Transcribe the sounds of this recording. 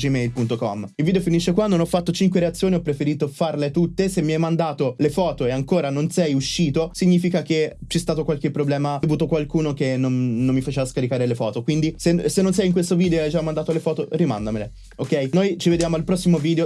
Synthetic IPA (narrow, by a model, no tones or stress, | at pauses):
d͡ʒimɛjlpunt̪okɔmilvid̪eofiniʃːekwanːonɔfːat̪ːot͡ʃiŋkweɾeat̪sːjoːniɔpːɾefeɾiːt̪ofarlet̪ut̪ːesemːiɛjmand̪aːt̪olefɔːt̪oeaŋkoːɾanonsɛjuʃːiːt̪osiɲːiːfikaket͡ʃɛst̪aːt̪okwalkepːɾoblɛːmaovuːt̪okwalkuːnokenonnːomːifat͡ʃeːvaskaɾikaːɾelefɔːt̪okwind̪isesenːons̬ɛjiŋkwest̪ovid̪eoeajd͡ʒamːand̪at̪olefɔːt̪orima̰nd̪amele | okːɛjnojt͡ʃived̪jaːmoalpɾɔsːimoviːd̪eo